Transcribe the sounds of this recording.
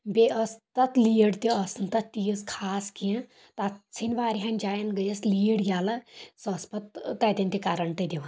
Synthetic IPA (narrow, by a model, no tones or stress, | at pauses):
beɐst̪ɐt̪liːɽt̪iɐsnt̪ɐt̪ːijəskʰaːskijã | t̪ɐt̪t͡sʰinʋaːɾiɦɐnd͡ʒaːjɐnɡəjɐsliːɽjaːlɐsɐspɐt̪ːɐt̪ʲɐnt̪ikaːɾɐɳt̪ɐd̪iʋɐn